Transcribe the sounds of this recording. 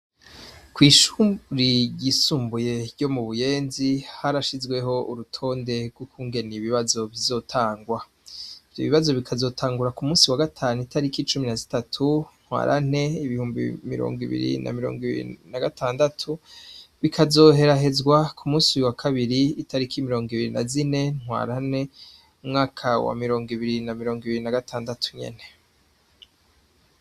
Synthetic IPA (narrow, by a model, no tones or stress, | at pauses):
kwiːʃuːmɾiɟisuːmbuje̞ɟo̞muβuje̞ːnzihaɾaʃizɡwe̞ɦo̞ʔuɾutʰo̞ːnde̞ɡɡwukʰuːŋɡe̞niβiβazo̞βizo̞ːtʰaːŋɡwa | iv̥jo̞βiβazo̞βikʰazo̞ːtʰaːŋɡuɾakumuːsiwaɡatʰaːnuitʰaɾikit͡ʃuminazitatʰun̥hwa̰ːɾʔa̰n̥e̞iβihuːmbḭmiɾo̰ːŋɡḭβḭɾḭnʔa̰miɾoːŋɡiβḭɾ̰inaɡatʰaːndatʰuβikʰazo̞ɦe̞ɾaɦe̞zɡwakʰumuːsiwakʰaβiɾiːtʰaɾikʰimiɾo̞ːŋɡiβiɾinazine̞n̥hwa̰ːɾane̞ | umŋaːkʰawa̰miɾo̞ːŋɡiβiɾinamiɾo̞ːŋɡiβiɾinaɡatʰaːndatʰu̥ɲe̞̰ne̞